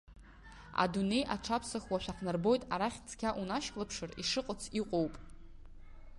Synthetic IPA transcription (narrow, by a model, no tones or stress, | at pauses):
a̰dune̞jʔaʈ͡ʂʰapʰsaχwaʃʷᶣaqʰnɨrbo̞jtʼaɾaχʲt͡sʰʼkʲʰaʔunaʃkʼlapʰʂɨriʂɨqʼət͡sʰiqʷʼo̞wpʼ